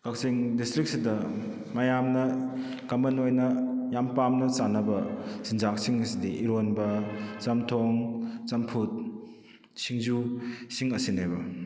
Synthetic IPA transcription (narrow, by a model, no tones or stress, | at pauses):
kak̚siŋdistɾik̚sidɐ | mɐjamnɐ | kɐmɐnojnɐjampamnɐsanɐbɐsind͡ʒak̚siŋɐsidiʔiɾonbɐt͡ʃɐmtʰoŋt͡ʃɐmpʰut̚ | siŋzusiŋɐsinejbɐ